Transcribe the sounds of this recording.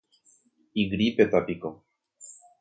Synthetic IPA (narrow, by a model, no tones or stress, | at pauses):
iɣɾipet̪apiko